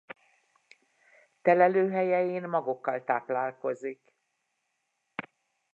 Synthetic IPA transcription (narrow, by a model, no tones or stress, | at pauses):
t̪ɛlɛløːɦɛjɛjeːnmɒɡokːɒlt̪aːplaːlko̞zik